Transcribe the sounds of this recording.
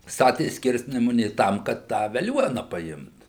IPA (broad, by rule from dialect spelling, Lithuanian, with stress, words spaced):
ˈstɑːtʲeː ˈsʲkʲɪrʲsʲnʲɛmʊnʲeː ˈtɐm kɐt tɑː ʋʲɛˈlʲuɔnɐ pɐˈɪmt